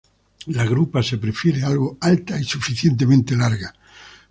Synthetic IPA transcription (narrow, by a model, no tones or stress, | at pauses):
laɣɾupase̞pɾefjeɾealɣoalt̪aisufiθjent̪̬emẽnt̪elaɾɣa